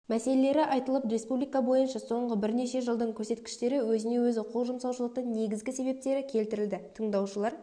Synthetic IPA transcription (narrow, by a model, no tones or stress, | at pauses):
mæse̞le̞le̞ɾɪʔɑjt̪əlˠəpɾe̞spublijkabo̞jənʃɑso̞ɴʁəbɪɾne̞ʃe̞ʒəlˠd̪əɴkʲʰɵɾse̞t̪kʲɪ̥ʃt̪e̞ɾɪwɵzɪne̞wɵzɪqʰolˠʒəmsɑwʃəlˠəq̚t̪əɴne̞ɡʲɪzɡʲɪse̞βe̞p̚t̪e̞ɾɪkʲʰe̞lt̪ɪɾɪld̪ɪt̪ʰəɴd̪ɑwʃəlˠɑɾ